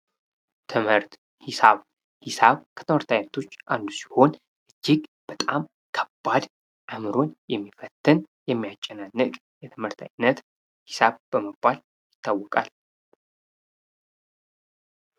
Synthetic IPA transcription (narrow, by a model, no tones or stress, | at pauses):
t̪ʰɨmhɨɾt̪ | hɪsaβ | hɪsaβkʰə̥t̪ʰɨmhɨɾt̪ʰajnːət̪ʰo̞t͡ʃːʔand̪usi̥ho̞n | ʔɨd͡ʒːɪɡb̥ət̪ʼam | kʰəbːad̪ | ʔəmɨɾo̞njɛmːifət̪ʰːɨnjɛmːijat͡ʃʼːɛnanːɨkʼ | jɛt̪ʰɨmhɨɾt̪ʰa̰jnːət̪ | hɪsaβb̥əməbːal | jɪt̪ʰːawːɔkʼal